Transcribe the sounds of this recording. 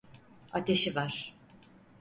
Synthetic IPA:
at̪ʰe̞ʃivaɾ̥

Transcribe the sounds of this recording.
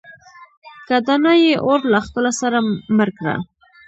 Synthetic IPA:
kad̪anajeʔoɾlaxpəlasaɾaməɾkɽa̰

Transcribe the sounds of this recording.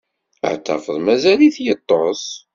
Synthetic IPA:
ə̰ʕt̪ːæ̰fəðˤmæzæliθjət̪ˤːos

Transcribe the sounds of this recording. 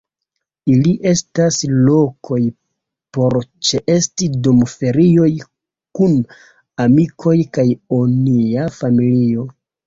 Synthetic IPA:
iliʔe̞staslo̞kʰo̞j | po̞ɾt͡ʃe̞ʔe̞stidomfe̞ɾio̞j | kun | amikʰo̞jkajoniafamilio̞

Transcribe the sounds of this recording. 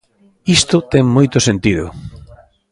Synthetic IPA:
ist̪ʊt̪ɛŋmojt̪ʊsent̪iðʊ̰

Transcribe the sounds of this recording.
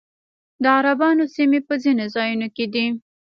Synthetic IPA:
d̪əaɾabɑnosimepəzinozɑjunoked̪i

